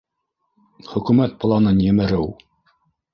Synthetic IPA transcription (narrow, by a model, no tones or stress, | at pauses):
χɵ̆kʉmæt̪̚plˠɑnɤnjɘ̆mɘ̆ɾɘw